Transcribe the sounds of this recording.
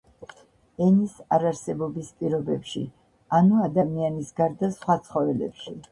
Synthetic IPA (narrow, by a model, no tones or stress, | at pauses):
ɛnisaɾaɾsɛbɔbispʼiɾɔbɛpʃḭ | anuad̪amianisɡaɾd̪asχwat̪sʰχɔvɛlɛ̰pʃi